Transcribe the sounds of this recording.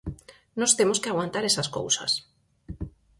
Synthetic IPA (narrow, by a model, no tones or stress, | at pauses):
nost̪emoskeaɣwant̪aɾesasko̰wsa̰s